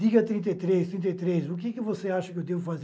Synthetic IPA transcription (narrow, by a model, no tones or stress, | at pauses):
d̪iɡɐt̪ɾĩnt̪ejt̪ɾest̪ɾĩt̪ɐjt̪ɾezʊkekɪvoseaʃɐkewd̪evʊfaz